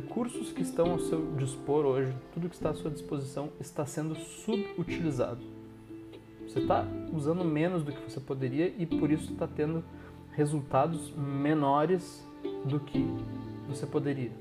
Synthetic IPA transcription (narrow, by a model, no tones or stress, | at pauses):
hekuɾsʊskɪɪst̪ɐ̃w̃awsewd͡ʒispoɾoʒɪt̪ud̪ʊkɪ̥st̪aːsuɐd͡ʒispozisɐ̃w̃ɪst̪asẽnd̪ʊsubut͡ʃiliza̰d̪ʊ | voset̪a̰uzɐ̃nd̪ʊmẽnʊzd̪ʊkɪvosepod̪eɾiɐʔɪpoɾisʊst̪at̪ẽnd̪ʊ | hezult̪ad̪ʊzmenɔɾɪs | d̪ʊkʰɪvosepod̪eɾiɐ